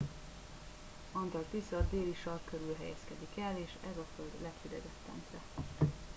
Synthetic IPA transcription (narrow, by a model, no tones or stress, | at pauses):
ɒnt̪ɒrt̪isɒrd̪eːliʃɒrkøɾylɦɛ̰jɛ̰skɛd̪ikɛleːʃɛzɒføld̪lɛkfyd̪ɛɡɛt̪ːɛ̰nsɛ